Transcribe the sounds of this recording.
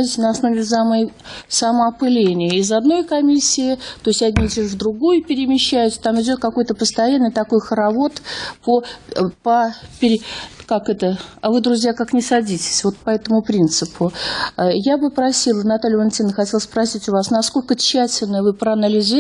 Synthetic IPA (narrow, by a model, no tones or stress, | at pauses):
itʲɪnəɐsno̞vʲɪsamsaməɐpɨlʲenʲɪjəɪzɐd̪no̞jkɐmʲisʲːɪɪt̪o̞ɪsʲtʲɐdʲnʲit̪ʲɪvd̪ɾʊɡujʊpʲɪɾʲɪmʲɪɕːæjʊt̪ʲt̪amɪdʲo̞t̪̚kɐkojt̪əpəst̪ɐjanːɨjt̪ɐko̞jxəɾɐvo̞t̪popəpʲɪɾʲɪkakɛt̪əɐvɨd̪ɾʊzʲjakaknʲɪsɐdʲitʲɪ̥sʲvo̞t̪̚pɐɛt̪əmʊpɾʲint̪sɨpʰʊ | jabɨpɾɐsʲilˠənɐt̪alʲjɪvɐnʲt̪ʲinːəxɐtʲelˠəspɾɐsʲitʲʊvasnɐsko̞lʲkət͡ɕːætʲɪlʲnəjəvɨpɾəɐnəlʲɪzʲ